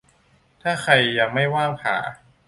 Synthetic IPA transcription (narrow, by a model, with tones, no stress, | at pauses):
t̪ʰaː˥˩xʰa˧jːa˧ŋma˥˩jwaː˥˩ŋpʰa̰ː˩˦